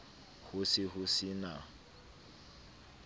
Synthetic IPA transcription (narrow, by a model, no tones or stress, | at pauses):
hʊsɪhʊsɪna